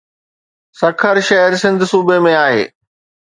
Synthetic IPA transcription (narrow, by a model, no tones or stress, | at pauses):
sɐkʰəɾʃɐɦəɾsɪ̃nd̪ʱʊsuːbemẽaːɦḛː